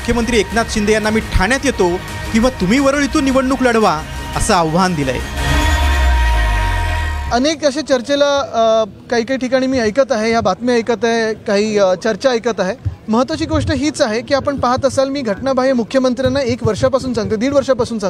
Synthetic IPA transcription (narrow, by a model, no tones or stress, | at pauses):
ukʰjəmənt̪ɾiːeknat͡s̪ɕind̪əjanːamiːʈʰaɳjat̪jet̪o | kĩw̃ʋat̪um̤iːʋəɾəɭit̪uːnːiʋəɳɳuːkləɽʋa | əsaəʋːand̪ila̰jḛ | ənekəɕet͡ɕəɾt͡ɕela | kaɦiːkaɦiːʈʰikaɽ̃iːmiːəjkət̪aɦejabat̪miəjkət̪aɦekaɦiːt͡ɕəɾt͡ɕaəjkət̪aɦeməɦət̪ʋat͡ɕiːɡoʂʈəɦiːt͡saɦekiːapəɳpaɦat̪əsalmiːɡʱəʈɳabʱaɦimukʰːjəmənt̪ɾjanːaekʋəɾʂapasuːnsãŋɡ̚t̪əd̪iːɽʋəɾʂapasuːnsãŋɡ